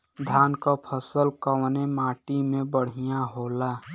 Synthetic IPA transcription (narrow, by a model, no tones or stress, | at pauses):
d̪ʱaːnkapʰəsəlkəwnemaːʈimẽbəɽ̤ijaɦoːla